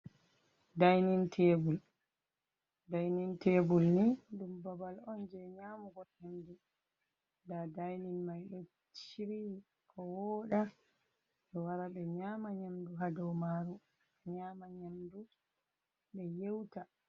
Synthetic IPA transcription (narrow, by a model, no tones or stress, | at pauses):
dajnintʰebul | dajninteːbulniɗumbabalɔnd͡ʒɛɲaːmuɡɔhemdu | dadajninmajɗɔ | t͡ʃiɾi | kʰɔwɔɗa | ɗɔwaɾaɓɛɲaːmaɲamduɦadɔwmaːɾu | ɲaːmaɲamdu | ɓɛjewta